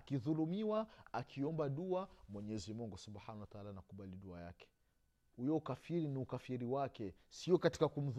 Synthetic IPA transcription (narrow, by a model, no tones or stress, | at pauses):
akiðulumiwaakʰiɔmbaɗuamwɛɲɛzimuŋɡusubħanawataalanakuɓaliɗua̰ja̰kɛ̥ | hujɔukafiɾiniukafiɾiwakɛsiɔkati̥kakum̩ð